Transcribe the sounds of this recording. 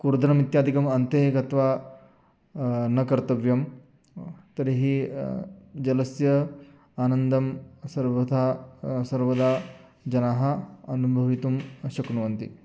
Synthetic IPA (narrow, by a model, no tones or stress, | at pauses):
kuɾd̪ɐnɐmit̪jaːd̪ʱikɐmɐnt̪ekɐt̪ʋaː | nɐkɐɾt̪ɐʋjɐm | t̪ɐɾiɦi | d͡ʒɐlɐsjɐ | aːnɐnd̪ɐmsɐɾʋɐd̪ʱasɐɾʋɐd̪aː | d͡ʒɐnaːɦɐ̆ɐnubʱɐʋit̪umʃɐknuʋɐnt̪ḭ